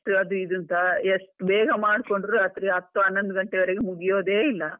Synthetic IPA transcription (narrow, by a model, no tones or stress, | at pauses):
ʈɐd̪uid̪unt̪ɐeʂʈubɛːɡɐmaːɽko̞ɳɖɾuɾaːt̪ɾiɐt̪ːuɐnːond̪uɡɐɳʈeʋɐɾeɡemuɡijoːd̪eːilːɐ